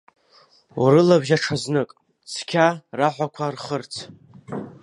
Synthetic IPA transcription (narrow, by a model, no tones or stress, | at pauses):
ṵɾɨlabʒaʈ͡ʂʰaznɨkʼ | sʰkʲʰaraħʷakʷʰarχərt͡sʰ